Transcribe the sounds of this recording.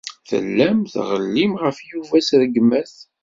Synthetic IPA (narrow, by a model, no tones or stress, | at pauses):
θə̰lːæmθʁəlːimʁəfjuvæsɾəɡmæθ